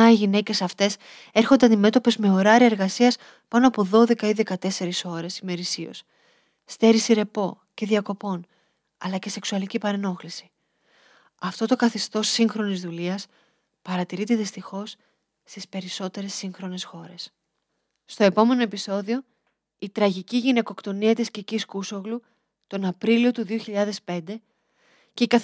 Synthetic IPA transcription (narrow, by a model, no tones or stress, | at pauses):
ɐiʝine̞ce̞sɐft̪e̞s | e̞ɾxond̪eɐnd̪ime̞t̪o̞pe̞zme̞o̞ɾɐɾiɐeɾɣɐsiɐs | pɐno̞ɐpo̞ðo̞ðe̞kɐiðe̞kɐt̪e̞se̞ɾiso̞ɾe̞sime̞ɾisio̞̰s | st̪e̞ɾisiɾe̞po̞ | ce̞ðiɐko̞po̞n | ɐlɐce̞se̞ksuɐlicipɐɾeno̞xlisi̥ | ɐft̪o̞t̪o̞kɐθest̪o̞sːiŋxɾo̞nizðuliɐs | pɐɾɐt̪iɾit̪eðist̪ixo̞s | st̪ispe̞ɾiso̞t̪e̞ɾe̞sːiŋxɾo̞ne̞sxo̞ɾe̞s | st̪o̞e̞po̞me̞no̞e̞piso̞ðio̞ | it̪ɾɐʝiciʝine̞ko̞kt̪o̞niɐt̪isciciskuso̞ɣlu | t̪o̞nɐpɾilio̞t̪uðioçiʎɐðe̞spe̞nd̪e̞ | ce̞ikɐ